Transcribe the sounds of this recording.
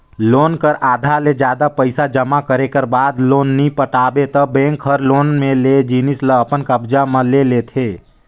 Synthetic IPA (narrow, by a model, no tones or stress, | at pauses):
loːnkəɾaːd̪ʱaled͡ʒjaːd̪apəɪsad͡ʒəmakəɾekəɾbaːd̪loːnːipəʈaːbet̪əbɛ̃ːŋkɦəɾloːnmẽled͡ʒiːnɪsləəpənkəbd͡ʒaməleleːt̪ʰeː